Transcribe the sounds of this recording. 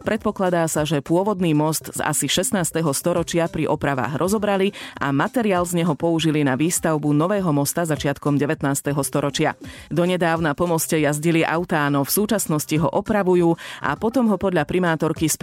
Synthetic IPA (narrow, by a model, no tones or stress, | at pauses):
pɾɛt̪̚pɔklad̪aːsaʒɛpʊɔʋɔd̪niːmɔst̪za̰siʃɛst̪naːst̪ɛɦɔst̪ɔɾɔt͡ʃɪapɾiʔɔpɾaʋa̰ːɣɾɔzɔbɾalia̰mat̪ɛɾiaːlzɲɛɦɔpɔuʒilinaʋiːst̪aʊbunɔʋɛːɦɔmɔst̪azat͡ʃɪat̪kɔmɟɛʋɛt̪naːst̪ɛɦɔst̪ɔɾɔt͡ʃɪa̰d̪ɔɲɛd̪aːʊnapɔmɔscɛjazɟiliʔa̰ʊt̪aːnɔfsuːt͡ʃasnɔsciɦɔʔɔpɾaʋujuːʔa̰pɔt̪ɔmɦɔpɔd̪ʎapɾʔimaːt̪ɔɾkisp